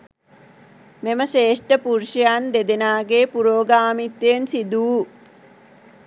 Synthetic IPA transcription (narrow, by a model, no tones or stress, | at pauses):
meməʃeːʂʈəpuɾʃɐjaːnd̪ed̪enaːɡeːpuɾoːɡaːmit̪ːjeːnsid̪uː